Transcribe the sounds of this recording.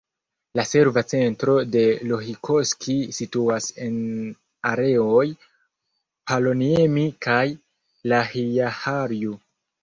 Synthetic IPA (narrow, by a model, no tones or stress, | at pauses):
lase̞ɾvat͡se̞ntɾo̞de̞lo̞ɦikʰo̞skʰisituase̞n | aɾe̞o̞j | palo̞niemikaj | lahiahaɾju